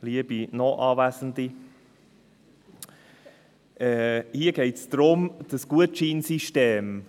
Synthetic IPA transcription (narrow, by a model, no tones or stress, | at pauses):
liəbinɔʔɑːvæsən̩d̪i | ʔɛhiəɡ̥eɪtsd̥ɾʊmd̪̥əsɡ̥uətt͡ʃiːnsiʃteːm